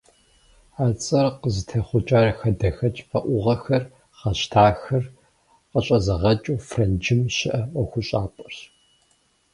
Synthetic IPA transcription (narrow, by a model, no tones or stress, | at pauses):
aːt͡sʼɐrqəzɨtʰɐχʷʊt͡ʃʼaːrɐxɐdɐxɐt͡ʃʼfɐʔʷʊʁɐxɐr | χɐɕtʰaːxɐr | qəɕʼɐzɐʁɐt͡ʃʼuːfrɐnd͡ʒɪmɕɪʔɐɔxʷʊɕʼaːpʼɐɕ